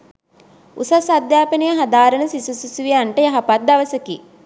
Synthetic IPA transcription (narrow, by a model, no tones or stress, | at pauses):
usasad̪jaːpənijəɦad̪aːɾənəsisususuʋijaɳʈəjaɦapat̪̚d̪aʋəsəki